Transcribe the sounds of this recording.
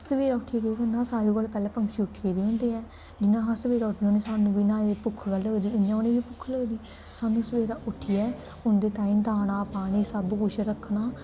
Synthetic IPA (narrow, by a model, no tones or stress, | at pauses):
səʋeːɾaːʊʈʰɪjaːɡeoːkenãːsaːɾeːkoːlpɛːlɛːpəŋkʃiːʊʈʰɪeːɡeːɦʊ̃ːnd̪eːɛː | d͡ʒɪnãːɦãːsəʋeːɾaːʊʈʰːiːoːneːsaːnũːbiːnãːeːpʊkʰːɡələːd̪iːɪnãːoːneːʋiːpʊkʰːləːd̪iː | saːnũːsəʋeːɾaːʔʊʈʰːɪjɛː | ʊnd̪eːt̪aːiːmt̪aːnaːpaːɽiːsəbkʊʃʰɾəkʰnaː